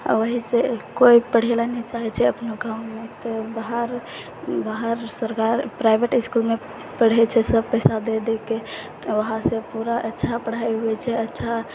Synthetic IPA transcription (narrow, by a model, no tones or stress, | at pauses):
ʋəɦisekoipəɽ̤elanəit͡ʃaɦɛt͡ʃʰɛəpnoɡãʊmet̪ɔbaɦəɾ | baɦəɾsəɾkaɾpɾaɪbeʈɪskulme | pəɽ̤ɛt͡ʃʰɛsəb̚pəɪsad̪ed̪eket̪ʋəɦãsepuɾaʔətːʃʰapəɽ̤aeɦuet͡ʃʰɛətːʃʰa